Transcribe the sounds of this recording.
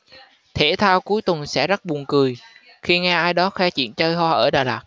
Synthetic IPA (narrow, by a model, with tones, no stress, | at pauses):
t̪ʰe˧˩t̪ʰaː˧wku˨˦əjt̪ə˨˩nsɛ̰˧˥zə˦˥t̚ɓu˨˩ənkɨ˨˩j | xi˧ŋɛ˧ʔaː˧jɗɔ˨˦xwɛ˨˧˦t͡ɕwḭ˧˨ənt͡ɕəː˧jɦwaː˧ʔəː˧˩ɗaː˨˩laː˨˩k̚